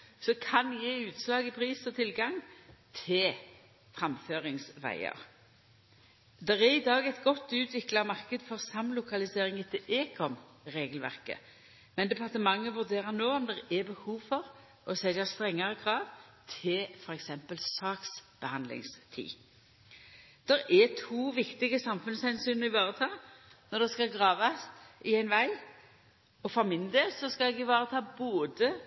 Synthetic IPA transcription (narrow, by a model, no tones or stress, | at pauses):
sɔkʰɑnjeːʉːt̪slɑːɡɪpʰʁiːsɔt̪ʰɪlɡɑŋt̪ʰɪl | fʁɑmføːʁɪŋsʋæ̰ɪə̰ʁ | d̪ɛʁæʁɪd̪ɑːɡæɪt̪ɡɔt̪ːʉːt̪ʰʋɪklɑmɑʁkəd̪fɔʁsɑmlʊkʰɑlɪseːʁɪŋət̪ʰɪʔeːkʰɔm | ʁeːɡəlʋæ̰ʁkə̰ | mɛnd̪ɛpʰɑʁt̪əmɑŋːəʋʉʁd̪eːʁənoːɔmd̪ɛʁɛbəhuːʋfɔʁ | ɔsɛljɑst̪ʁɛŋːəʁəkʰɾɑːʋt̪ʰɪlfɔɾɛksɛmpəlsɑːksb̥əhɑnd̪lɪ̰ŋst̪ʰḭː | d̪̥ɛɾɛt̪ʰuːʋɪkt̪ɪɡəsɑmfʉnshɛnsyːnəɪʋɑːʁət̪ʰɑːnɔd̪ɛskɑlɡʁɑːʋɑsɪæɪnʋæɪ | ɔfɔʁmɪnd̪eːlsɔskɑlɛɡɪʋɑːʁət̪ʰɑːboːd̪ə